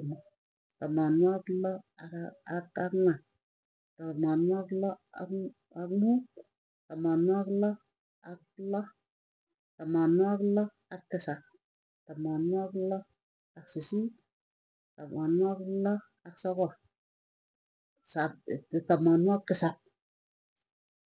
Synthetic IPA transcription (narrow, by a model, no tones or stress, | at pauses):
mu | tamanuaklɔ | akakŋa | tamanuaklɔ̰ | akmu | tamanuaklo | aklɔ | tamanuaklɔ | akːisak̚ | tamanuaklo | aksisi | tamanuaklɔ | aksaka | saptamanuakːisak̚